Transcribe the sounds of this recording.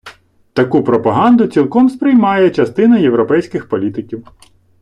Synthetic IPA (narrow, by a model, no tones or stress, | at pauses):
t̪ɐkupɾɔpɐɦɑnd̪ʊt͡sʲilˠkɔmspɾɪjmɑjɛt͡ʃɐst̪ɪnɐjewɾɔpɛjsʲkɪxpɔlʲit̪ɪkʲiw